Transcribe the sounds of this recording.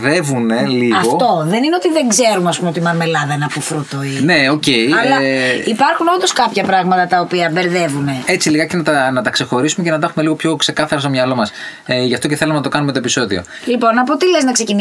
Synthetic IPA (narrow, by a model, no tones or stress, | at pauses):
ðe̞vune̞liɐɣoft̪o̞ðe̞nineo̞t̪iðeŋɡze̞ɾumeɐs̬pumeot̪imɐnmelɐðɐenɐpofɾut̪oineo̞ce̞iɐlɐipɐɾxunond̪o̞skɐpçɐpɾɐɣmɐt̪ɐt̪ɐopiɐbe̞ɾðe̞vune̞e̞t͡siliɣɐcenɐt̪ɐnɐt̪ɐkse̞xo̞ɾisumece̞nɐt̪ɐexumeliɣopço̞kse̞kɐθɐɾɐs̬t̪omɲɐlo̞mɐsʝɐft̪oceθe̞lumenɐt̪o̞kɐnume̞t̪oepiso̞ðḭo̞̰ | lipo̞nːɐpot̪ileznɐkse̞cin